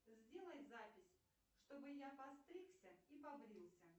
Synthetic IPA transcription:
zʲdʲelˠəjʲzapʲɪsʲ | ʂt̪obɨjapɐst̪ɾʲiksʲəipɐbɾʲilˠsʲə

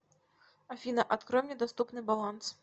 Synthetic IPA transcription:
afʲinɐʔat̪kɾɔmnʲɛd̪ast̪upnɨbalˠans

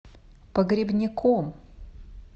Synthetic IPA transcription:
pɐɡɾʲɪbnʲɪkom

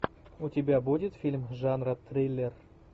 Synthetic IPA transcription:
utʲɪbʲabudʲɪt̪fʲilʲmʐanrət̪rʲejlʲːer

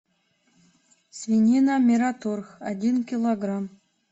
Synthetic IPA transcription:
svʲinʲinamʲeɾat̪orxa̰dʲinkʲilˠoɡram

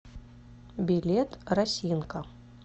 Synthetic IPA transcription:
bʲilʲet̪rɐsʲinkɐ

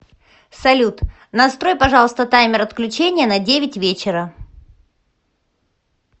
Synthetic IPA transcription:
sɐlʲut̪ | nɐst̪ɾo̞jpɐʐɑlˠəst̪ət̪ajmʲɪɾɐt̪klʲʉt͡ɕenʲɪjənɐdʲevʲɪtʲvʲet͡ɕɪɾə

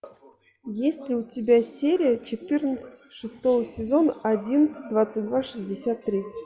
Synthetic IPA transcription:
jesʲlʲɪʊtʲɪbʲasʲeɾʲɪjət͡ɕɪt̪ɨrnət̪sɨ̥tʲʂɨst̪o̞vəsʲɪzo̞nəɐdʲinət̪sɨ̥t̚ʲd̪vat̪sɨtʲd̪vaʂɨzʲdʲɪsʲat̪ːɾʲi

